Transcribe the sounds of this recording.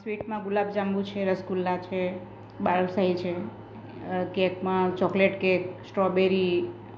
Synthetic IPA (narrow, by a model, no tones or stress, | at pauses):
sʋiʈmãɡulabd͡ʒãmbũt͡ʃʰeɾəskulːat͡ʃʰe | baɭəlsaɦit͡ʃʰe | kekmãt͡ʃɔkleʈkeksʈɾɔbeɾi